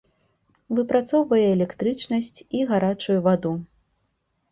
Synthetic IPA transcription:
vɨpɾat̪sɔwvɐjɛːlʲɛkt̪ɾɨt͡ʂnɐsʲt͡sʲiɣaɾat͡ʂujuvad̪u

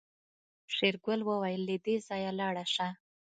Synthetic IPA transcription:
ʂeɾɡəlwəwajəlːid̪ezɑjalɑɽaʂa

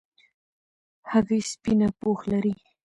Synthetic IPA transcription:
haɣispinapoxlaɾi

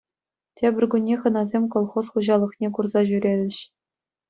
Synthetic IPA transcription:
tʲebʲɘ̆rʲɡʲunʲːeχɤ̆nɑzʲemʲkolˠχosχuʑɑlˠɤ̆χnʲekurzɑʑyɾʲelʲɘ̆ɕ

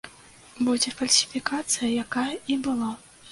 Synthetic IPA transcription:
bɔd͡zʲɛfɐlʲsʲi̥fʲikat̪sɨjɐjakajɐibɨlˠa

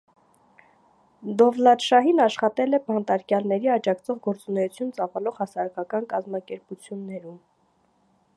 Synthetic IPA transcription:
d̪ɔvlɑd̪ʃɑɦinɑʃχɑt̪ɛlɛbɑnt̪ɑɾkjɑlnɛɾiɑd͡ʒɑkt͡sʰɔʁɡɔɾt͡sunɛjut͡sʰjunt͡sɑvɑlɔʁhɑsɑɾɑkɑkɑnkɑzmɑkɛɾput͡sʰjunːɛɾum

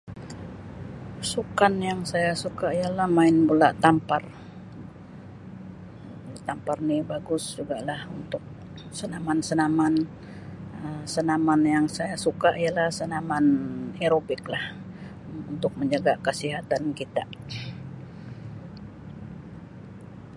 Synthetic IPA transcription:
sukanjaŋsajasukaijalahmaɪnbulaʔt̪ampar | t̪amparnibaɡʊsd͡ʒuɡalahunt̪ʊk̚ | sənamansənaman | əmsənamanjaŋsajasukaʔijalahsənamaneɾobɪklah | unt̪ʊk̚məɲd͡ʒaɡakəsiɦat̪ankit̪a

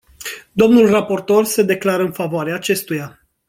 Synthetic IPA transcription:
d̪o̞mnulrapo̞rt̪o̞rse̞d̪e̞klaɾəɨnfavoaɾeaːt͡ʃe̞st̪uja

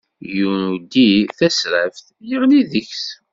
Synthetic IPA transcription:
junud̪iθæsɾəfθ | jəʁliðəçs

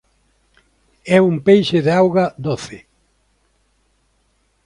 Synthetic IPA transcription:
ɛumpejʃɪðeawɣɐd̪oθɪ

